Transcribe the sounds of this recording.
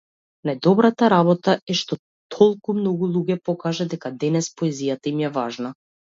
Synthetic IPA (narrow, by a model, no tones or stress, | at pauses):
najd̪ɔbɾat̪aɾabɔt̪aɛʃt̪ɔ | t̪ʰɔlˠkumnɔɡulˠuɟɛpɔkaʒad̪ɛkad̪ɛnɛspɔɛzijat̪aimjɛvaʒna